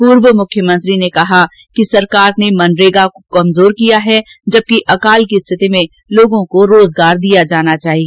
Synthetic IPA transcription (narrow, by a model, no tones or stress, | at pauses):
puːɾwmʊkʰjəmə̃nt̪ɾinekɐɦa | kisɐɾkaːɾnemɐnɾeːɡakokɐmzoːɾkijaɦɛd͡ʒɐb̚kiʔɐkaːlkist̪ʰɪt̪imẽ | loːɡõkoɾoːzɡaːɾd̪ijad͡ʒaːnat͡ʃaːɦie